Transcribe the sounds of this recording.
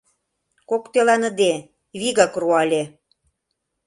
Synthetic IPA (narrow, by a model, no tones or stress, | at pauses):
kokt̪elɑnə̆d̪e | βiɣɑkruɑlʲe